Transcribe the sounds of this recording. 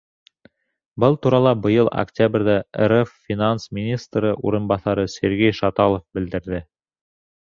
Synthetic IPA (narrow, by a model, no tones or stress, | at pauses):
bɤlˠt̪uɾɑlˠɑbɤ̆jɤlˠɐ̰ktʲabrʲðæḛɾeffʲinansmʲinʲist̪rɤʔṵɾɤ̆nbɑθɑɾɤsʲeɾɡejʃɑt̪ɑlˠofbɘ̆ld̪ɘ̆ɾðɘ